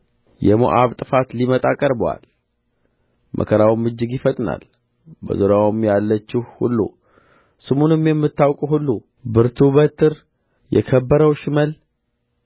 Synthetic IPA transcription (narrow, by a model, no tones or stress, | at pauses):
jɛmo̰ʔaβt̪ʼɨfat̪limət̪ʼakʼəɾbwa̰l | mʔə̰kʰəɾawmːɨd͡ʒːɪɡjifət̪ʼna̰l | bə̰zuɾjawmjalːət͡ʃːɪhhṵlːṵ | sɨmunɨmjɛmːɨt̪ːawkʼuɦulːu | bɨɾt̪ʰubət̪ʰɨɾ | jɛ̰kʰəbːəɾəwʃɪməl